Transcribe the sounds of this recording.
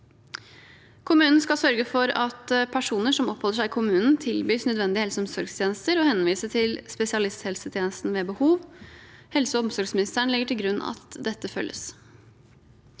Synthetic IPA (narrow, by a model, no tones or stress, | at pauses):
kʰʊmʉːnn̩skɑsœɾɡəfɔɾɑt̪pʰæʂuːnəʂɔmɔpʰhɔlːəʂæɪkʰʊmʉːnn̩t̪ʰɪlbyːsnœd̪ʋɛnd̪ɪəhɛlsəɔmsɔɾɡst̪ʰjeːnəst̪əɾɔhɛnʋiːsət̪ʰɪlspɛsɪɑlɪst̪hɛlsət̪ʰjeːnəst̪nʋeːbəhuːʋhɛlsəɔmsɔɾɡsmɪnɪst̪əɳlɪɡəʈɪlɡɾʉnːɑ̰t̪d̪ɛt̪ːəfœ̰lːʔə̰s